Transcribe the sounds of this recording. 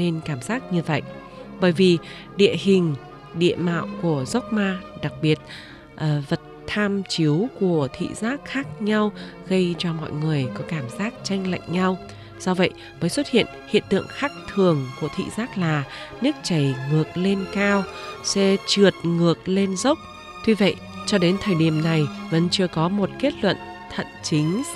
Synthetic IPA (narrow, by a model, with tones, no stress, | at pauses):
ne˧nkaː˧˩mzaː˦˥k̚ɲɨ˧və̰˧˨jʔ | ɓəː˧˩jvi˨˩ | ɗḭ˧˨əhï˨˩ŋ̟ | ɗḭ˧˨əma̰ː˧˨wku˧˩əzə˦˥wk͡p̚maː˧ɗa˨˩k̚ɓi˨˩ət̚ | ʔəː˨˩və˨˩t̚t̪ʰaː˧mt͡ɕi˨˦əwku˧˩ət̪ʰḭ˧˨zaː˦˥k̚xaː˦˥k̚ɲa˧wɣə˧jt͡ɕɔ˧mɔ̰˧˨jŋɨ˨˩əjkɔ˨˦kaː˧˩mzaː˦˥k̚t͡ɕa˧jŋ̟la̰˧˨jŋ̟ɲa˧w | sɔ˧və̰˧˨j | məː˨˦jswə˦˥t̚hḭ˧˨ənhḭ˧˨ənt̪ɨ̰˧˨əŋxa˦˥k̚t̪ʰɨ˨˩əŋku˧˩ət̪ʰḭ˧˨zaː˦˥k̚laː˨˩nɨ˦˥k̚t͡ɕə˧˩jŋɨ˨˩ək̚le˧nkaː˧wsɛ̰˧˥t͡ɕɨ˨˩ət̚ŋɨ˨˩ək̚le˧nzə˦˥wk͡p̚ | t̪wi˧və̰˧˨j | t͡ɕɔ˧ɗe˨˦nt̪ʰəː˨˩jɗi˧˩əmna˨˩jvə̰˧˥nt͡ɕɨ˧əkɔ˨˦mo˨˩t̚ke˦˥t̚lwə̰˧˨n | t̪ʰə̰˧˨nt͡ɕï˨˦ŋ̟